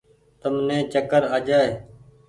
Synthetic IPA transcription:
t̪əmnẽːt͡ʃəkəɾaːd͡ʒaːeː

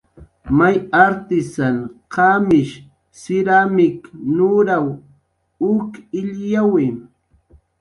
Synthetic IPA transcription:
majaɾt̪ɪsanqamɪʃ | sɪɾamɪknʊɾaw | ʊkɪʎjawɪm

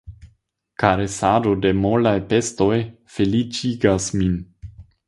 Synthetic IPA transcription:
kaɾesado̞de̞molajpe̞sto̞j | fe̞lit͡ʃiɡasmin

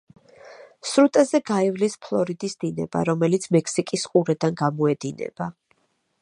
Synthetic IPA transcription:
sɾut̪ʼazɛɡaivlispʰlˠɔɾid̪isd̪̥inɛ̰ba̰ɾɔmɛlit̪sʰmɛkʰsikʼisqʼuɾɛd̪anɡamɔɛd̪̥inɛ̰b̥a

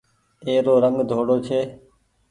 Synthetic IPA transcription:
eːɾoːɾəŋɡd̪ʱoːɽoːt͡ʃʰeː

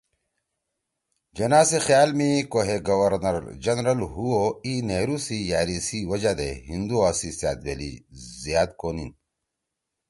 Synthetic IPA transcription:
d͡ʑɐnaːsexjaːlmikoɦeɡɐwɐɾnɐɾd͡ʑɐnɾɐlɦuoineːɾusijaːɾisiwɐd͡ʑad̪ḛɦind̪uaːsisja̰ːt̪̚ɡḛlḭzjaːt̪̚koːnin

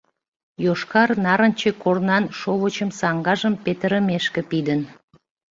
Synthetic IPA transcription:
joʃkɑrnɑɾənt͡ɕekornɑnʃoβot͡ɕəmsɑŋɡɑʒəmpet̪əɾəmeʃkĕpid̪ən

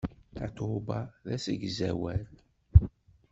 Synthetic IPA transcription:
θæt̪obɑðæsəɡzæ̰wæl

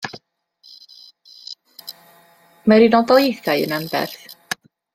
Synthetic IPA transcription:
mɛɾinɔdɔɪθajə̰nambɛ̰rθ

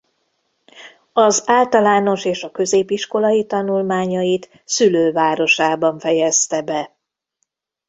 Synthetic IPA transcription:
ɒzaːlt̪ɒlaːno̞ʃeːʃɒkø̞zeːbiʃko̞lɒjit̪ɒnulmaːɲɒjit̪ | syløːvaːɾo̞ʃaːbɒɱfɛjɛst̪ɛbɛ

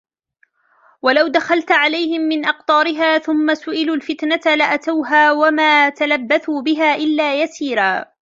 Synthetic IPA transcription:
walawd̪axalt̪ʕalajhɪmːɪnʔɑqt̪ˤɑːɾɪɦaːθʊmːasʊʔɪluːlfɪt̪nat̪alaʔat̪awɦaːwamaːt̪alabːaθuːbɪɦaːʔɪlːaːjasiːɾaː

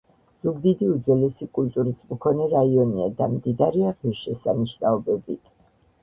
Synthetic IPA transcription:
z̥uɡd̪id̪iud̪zwɛlɛsikʼult̪ʼuɾismkʰɔnɛɾaiɔnia̰d̪amd̪id̪aɾiaʁiɾʃɛsamiʃnaɔbɛbit̪ʰ

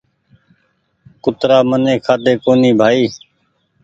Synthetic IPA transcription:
kʊt̪ɾaːmənẽːkʰaːd̪eːkoːniːbʱaːiː

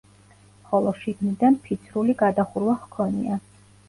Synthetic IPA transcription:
χɔlˠɔʃiɡnid̪anpʰit̪sʰɾuliɡad̪aχuɾwaχkʰɔnḭa

